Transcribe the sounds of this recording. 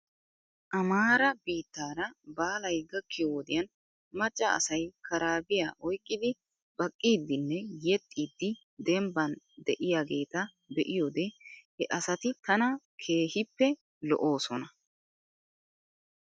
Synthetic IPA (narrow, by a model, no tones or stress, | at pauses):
ʔɐmaːɾɐbiːt̪ːaːɾɐbaːlɐjɡɐkːɪjoɔd̪ɪjɐn | mɐt͡ʃʼːɐɐ̰sɐjkʰɐɾaːbɪjaːʔɔjkʼːɪd̪ɪ | bɐkʼːiːd̪ːɪnːɛjɛt̪ʼːiːd̪ːɪ | d̪ɛmbɐn | d̪ɛʔɪjaːɡe̞ːt̪ɐ | d̪ɛʔɪjoːd̪ɛhɛʔɐsɐt̪ɪt̪ɐnɐ | kʰe̞ːhɪpːɛ | lɔ̰ʔo̞ːsɔnɐ